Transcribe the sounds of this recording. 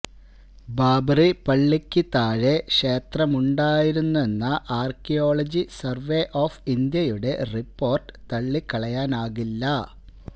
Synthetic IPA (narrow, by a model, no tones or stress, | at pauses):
baːbripɐɭːikʲːɨt̪aːɻe̞ʂe̞ːt̪rɐmuɳɖaːjiɾunːue̞nːɐʔaːrkijo̞ːɭɐd͡ʑisɐrʋeʔoːfind̪jɐjuɽe̞ripːo̞ːrʈɨ̥t̪ɐɭːikɐɭɐjaːnaːɣilːɐ